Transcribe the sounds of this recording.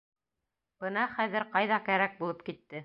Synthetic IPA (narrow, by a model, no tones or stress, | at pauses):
b̥ɤnɑχæðɘɾqɑjðɑkæɾæk̚bulˠɤpkit̪ːɘ